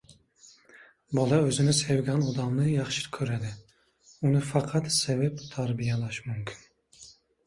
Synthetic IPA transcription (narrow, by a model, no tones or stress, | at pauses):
bɒlˠɑøzɪnɪsewɡʲɛnɒd̪ɑmnɪjɑχʃɪɾkʲʰɵɾæd̪ɪ | unɪfɑqʰɑt̪sevɛpt̪ʰaɾbijɛlˠaʃmumkʲʰɪ̥n